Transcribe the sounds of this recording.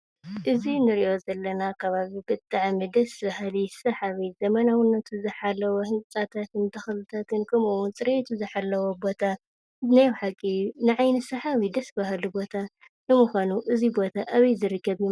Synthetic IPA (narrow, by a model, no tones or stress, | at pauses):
ʔɨzinɨɾiʔo̞zɐlːɐnakʰɐβaβibɨt̪ʼːaʕmɨd̪ɐsbahlisɐħaβizɐmɐnawɨnːɐt̪ʰuzɨħalːɐwohɨnʼsʼat̪ʰat̪ʰɨnt̪ʰɐxɐlɨt̪ʰat̪ʰɨnkʰɐmuwunt͡sʼɨɾet̪ʰuzɨħalːɐwobo̞t̪ʰa | najwħakʼːinɨʕajnɨsɐħaβid̪ɐsbahlubo̞t̪ʰa | nɨmuxʷanuʔɨzibo̞t̪ʰaʔaβɐjzɨɾɨkːɐβji